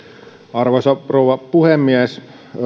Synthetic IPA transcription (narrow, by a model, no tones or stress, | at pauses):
ɑrʋosɑrowʋɑpuhemːiæs